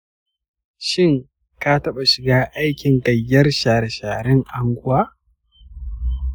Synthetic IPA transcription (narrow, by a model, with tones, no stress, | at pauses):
ʃɪ˦ŋ | ka˦tɐ˦ɓa˨ʃɪ˨ɡaː˦ʔa˦jkʲɪ˨ŋkɐ˨jːɐ˦rʃaː˨ɾʃaː˨ɾɪ˦ŋʔa˨ŋɡʷʊ˦waː˦